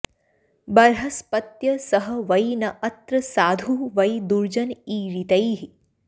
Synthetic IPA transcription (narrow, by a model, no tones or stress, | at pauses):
bɐɾɦɐspɐt̪jɐsɐɦɐ̆ʋɐjnɐʔɐt̪ɾɐsaːd̪ʱuʋɐjd̪uɾd͡ʒɐniːɾit̪ɐjɦi